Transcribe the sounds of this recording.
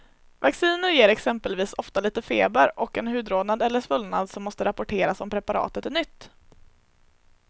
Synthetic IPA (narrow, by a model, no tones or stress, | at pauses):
vaksiːnəɾjeːɾɛksɛmpəlviːsɔft̪aliːt̪əfeːbəɾʔɔkɛnɦʉ̟ːd̪ɾoːd̪nad̪ɛlːəʂvɵlna̰d̪sɔmːɔst̪əɾʔapʊʈʰeːɾasɔmpʰɾɛpaɾɑ̰ːt̪ət̪ɛnʏt̪ː